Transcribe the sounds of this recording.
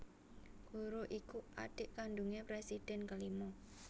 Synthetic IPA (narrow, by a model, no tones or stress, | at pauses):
ɡ̥uɾoʔikua̰ɖ̥ɪʔkanɖuŋepɾesid̪̥ɛ̤nkəlimɔ